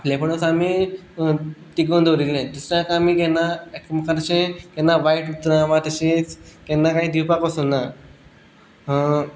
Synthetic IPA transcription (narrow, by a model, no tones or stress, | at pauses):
lepəɳosami | t̪iɡond̪oɾilːẽd̪usɾjãkaamiːkɛ̃nːaekmkəɾɕẽkɛ̃nːaʋaiʈut̪ɾãʋãt̪əɕit͡skɛ̃nːakaɦĩd̪ʱiwpakəsunːa | ɦ